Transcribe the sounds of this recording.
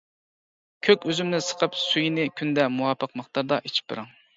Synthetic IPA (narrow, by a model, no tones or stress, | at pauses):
kʲʰøkʲøzymnɪsə̥qʰəpsujinɪkʲʰynd̪ɛmuwɑːpʰəqmɑχt̪ʰɑɾd̪ɑʔit͡ʃʰi̥p̚ːɨ̰ɾɨŋ